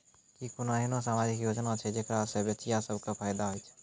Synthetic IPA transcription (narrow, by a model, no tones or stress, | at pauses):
kikunaɦinosaːmad͡ʒikjoːd͡ʒnat͡ʃʰɛd͡ʒekɾasəbjət͡ʃijasəbʱkepʰaːjd̪aɦojt͡ʃʰɛ̥